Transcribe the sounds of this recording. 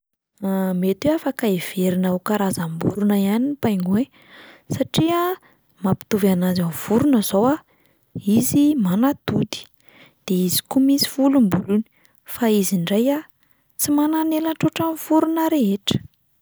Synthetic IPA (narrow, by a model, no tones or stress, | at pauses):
amet̪eafakaev̥eɾinaukaɾazambṵɾunəianinpajŋɡue | saʈ͡ʂia | mapi̥t̪uvanazanv̥uɾunəz̥owa | izimanat̪ud̪i̥ | d̪̥eizi̥kumisi̥fulumbuluni̥ | faiziɳɖ͡ʐaja | t͡simananelaʈ͡ʂoʈ͡ʂanvuɾunəɾeɦeʈ͡ʂə̥